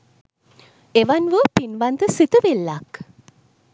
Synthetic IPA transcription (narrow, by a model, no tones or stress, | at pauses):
eʋanʋəpinʋant̪əsit̪əʋelːak